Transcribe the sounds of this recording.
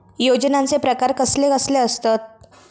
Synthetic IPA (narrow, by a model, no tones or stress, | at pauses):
jod͡ʑnãnt͡sepɾəkaɾkəslekəsleəst̪at̪̚